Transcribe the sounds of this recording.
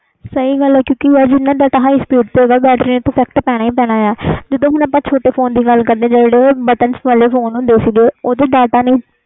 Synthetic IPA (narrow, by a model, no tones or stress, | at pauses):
səiːɡəlɛːkjõːkɪaːd͡ʒɪnːãːɖaːʈaːɦaːispiːʈt̪oeːɡaːbɛːɖɾĩt̪õːpʰɛːk̚ʈpɛːɽaːĩːpɛːɽ̃aːaːd͡ʒəd̪õːɦʊnaːpːãːt͡ʃʰoːʈeːpʰoːnd̪iːɡəlkəɾd̪ẽːd͡ʒeːɽeːbəʈənsʋaleːpʰoːnũːd̪eːsiːɡeːoːd̪eːɖaːʈaːnəĩː